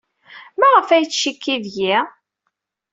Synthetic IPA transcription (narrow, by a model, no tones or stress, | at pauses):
mæʁəfæjt͡sːʃikːiðji